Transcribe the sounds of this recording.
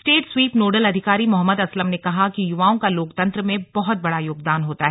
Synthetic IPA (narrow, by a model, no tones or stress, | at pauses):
sʈeːʈswiːpnoːɖəlɐd̪ʱɪkaːɾimʊɦəmːəd̪ɐsləmnekɐɦakijʊʋaːõkaloːkt̪ɐ̃nt̪ɾəmẽbɐɦʊt̪̚bɐɽajoːɡ̚d̪aːnɦoːt̪aɦɛː